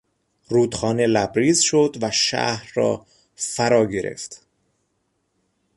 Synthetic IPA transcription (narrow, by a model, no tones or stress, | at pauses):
ruːd̪xɒːne̞læbɾiːzʃod̪væʃæ̰hɾːɒ̰ː | fæɾɒːɟe̞ɾʔe̞̰ft̪